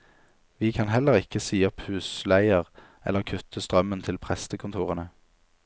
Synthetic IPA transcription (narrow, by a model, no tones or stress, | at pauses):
ʋiːkʰɑnhɛləʁɪkəsiːɔphʉːslæɪəʁ | ɛ̰ləʁkʰʉt̪ʰːəst̪ʁœmːənt̪ʰɪlpʰʁɛst̪əkʰʊnt̪ʰuːʁənə